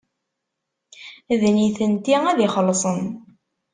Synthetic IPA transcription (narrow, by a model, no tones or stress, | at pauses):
ðniθənt̪iæðiχəlːsˤən